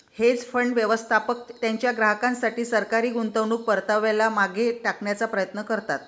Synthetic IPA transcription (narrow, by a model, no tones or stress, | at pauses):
het͡sfəɳɖʋjəʋəst̪ʰapək̚t̪jaɲt͡ɕjaɡɾaɦəkãnsaʈiːsəɾkaɾiːɡunt̪əʋɳuːk̚pəɾt̪aʋelamaɡʱeʈakɳjat͡sapɾəjət̪nəkəɾt̪at̪̚